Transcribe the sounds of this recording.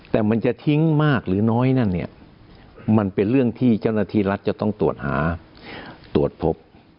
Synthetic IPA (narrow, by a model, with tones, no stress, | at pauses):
t̪ɛː˨˩ma˧nt͡ɕa˨t̪ʰi˦˥ŋmaː˥˩k̚ɾɯː˩˦nɔː˦˥jna˥˩nːi˥˩ɐ | ma˧npe˧nɾɯ˥˩əŋt̪ʰiː˥˩t͡ɕa˥˩wnaː˧˩t̪ʰiː˥˩ɾa˦˥t̪̚t͡ɕa˨˩t̪ɔ˥˩ŋt̪u˨˩ət̪̚ha̰ː˩˦ | t̪u˨˩ət̪̚pʰo˦˥p̚